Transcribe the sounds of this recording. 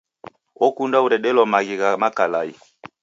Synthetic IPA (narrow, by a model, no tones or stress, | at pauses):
ɔkundauɾɛɗɛlɔmaɣiɣamakalai